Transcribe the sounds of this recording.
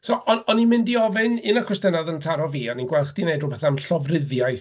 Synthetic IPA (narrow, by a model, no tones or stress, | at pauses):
sɔʔɔɔnimɪndiɔvɪnɪnakʰwɛstənaðəntʰaɾɔviːaninɡwɛlˠχd̥ineɨdrʊbɛθamɬɔvrɪðjajθ